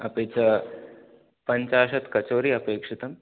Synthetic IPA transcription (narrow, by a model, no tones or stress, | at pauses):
ɐpeːt͡ʃɐ | pɐɲt͡ʃaːʃɐt̪kɐt͡ʃoːɾiːɐpeːkʂɪt̪ɐm